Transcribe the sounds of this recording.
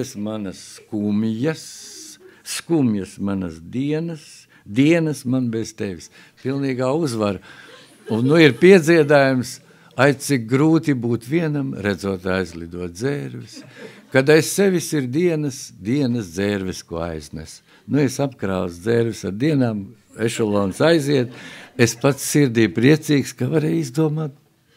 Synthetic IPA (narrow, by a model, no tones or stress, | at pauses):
esmanɐskumjɐsː | kumjɐsmanɐsd̪iɛnɐs | d̪iɛnɐsmanbez̥t̪eʋis | pilˠniːɡaːuzʋaɾ | unnuiɾpiɛd̪zʲiɛd̪aːjums | aj̪sik̚ɡɾuːt̪ibuːt̪ʋiɛnamɾæd̪zuɔt̪ajzlʲˠid̪uɔt̪̚d̪zeːɾvɪskad̪aesseʋʲisiɾd̪iɛnɐsd̪iɛnɐsd̪zeːɾvɛskuɔa̰jznɛ̰s | nuesapkɾaːwsd̪zeːɾʋɪsad̪iɛnaːm | eʃɔlˠɔːnsajziɛt̪espat̪ssiɾd̪iːpɾiɛt̪siːkskavaɾejizd̪uɔmaːt̪̚